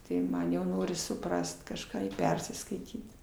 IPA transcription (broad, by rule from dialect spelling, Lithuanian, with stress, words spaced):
tɐɪ ˈmɐn jɛʊ ˈnoːrʲɪs sʊˈprɐst kɐʃˈkɑː ɪr ˈpʲɛrʲsʲɪskɐɪtʲiːt